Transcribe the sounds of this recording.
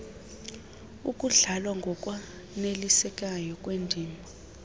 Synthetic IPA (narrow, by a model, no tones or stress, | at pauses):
ukʼuɮalwaŋɡʱɔkʼwa | nelisɛk̬ʼajɔkʼwendʱiːmʱɔ